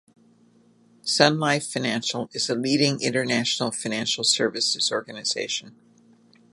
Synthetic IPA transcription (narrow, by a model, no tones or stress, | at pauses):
sʌ̃nlaɪffaɪ̃næ̃nʃl̩ˠɨzəliɾɪ̃ŋʔɪ̰̃ñə˞næʃn̩l̩ˠfaɪnæ̃nʃl̩ˠsɜ˞vɨsɨz̥ɔɹɡɨnɨz̥ḛɪʃɨ̃n̩